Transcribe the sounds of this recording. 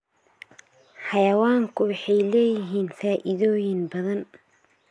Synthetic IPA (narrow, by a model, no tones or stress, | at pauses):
ħɑjɐwaːŋkʰʊwɑħɑjlɛːjɪɦiːnfaːʔɪðɔːjɪnbɐðɐn